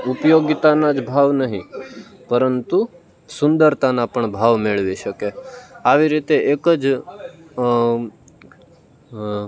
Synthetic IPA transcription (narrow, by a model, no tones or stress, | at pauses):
upjoɡit̪anad͡ʒbʱaʋnəɦĩ | pəɾənt̪u | sʊnd̪əɾt̪anapəɳbʱaʋmeɭʋiʃəkeaʋiɾit̪eʔekəd͡ʒ